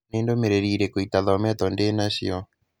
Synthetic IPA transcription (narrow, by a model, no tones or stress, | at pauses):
eːndomeɾeɾiːɾɛkoitaðɔmɛt̪ɔndenaɕḭɔ